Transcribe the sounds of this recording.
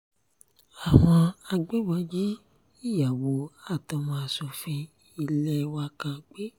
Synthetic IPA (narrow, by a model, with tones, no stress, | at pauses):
a˨w̃ɔ̃˧a˧ɡ͡be˦bɔ˨˧˦d͡ʒi˦ | i˦˨ja˨wo˨˦a˦˨tɔ˧mɔ̃˧a˧so˨˧fĩ˧ | i˧lɛ˧wa˧kã˧k͡pe˦